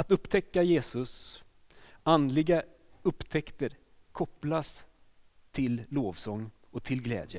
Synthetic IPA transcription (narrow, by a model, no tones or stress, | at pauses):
at̪ɵpːt̪ʰɛkːajeːsɵs | and̪lɪɡaɵpːt̪ʰɛkt̪əɾ | kʰɔpːlas | t̪ʰɪlːoːvsɔŋː | ɔt̪ʰɪlɡlɛ̰ːd̪jə